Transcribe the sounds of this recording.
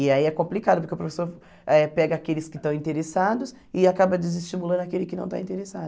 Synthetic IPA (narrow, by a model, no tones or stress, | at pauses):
ɪaiɛkõplikad̪ʊpoɾkeʊpɾofesoɾ | ɛpɛɡɐakelɪskɪt̪ɐ̃w̃ĩnt̪eɾesad̪ʊs | ɪakabɐd͡ʒɪzɪst͡ʃimulɐ̃d̪ʊakelɪkɪnɐ̃w̃t̪a̰ĩt̪eɾesad̪ʊ